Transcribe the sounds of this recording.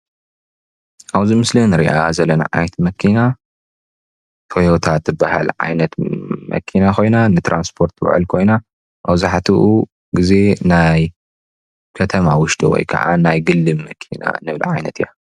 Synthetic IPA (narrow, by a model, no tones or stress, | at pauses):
ʔaβzimɨslinɨɾḭʔazɐlːɐna̰ʕa̰jt̪mɐkʰina | t̪ʰojot̪ʰat̪zɨbːahalʕa̰jnɐt̪mʔɐ̰kʰinakʰo̞jnanɨt̪ɾanspʰo̞ɾt̪w̰ʕɨ̰lkʰo̞jna | mawzaħt̪ʰiʔu | ɡize̞naj | kʰɐt̪ʰɐmawʊʃd̪o̰wɔ̰jkʰɐ̰ʕa̰najɡɨlːɨmmɐkʰina̰nɨβl̰ʕajnɐt̪ʰɨja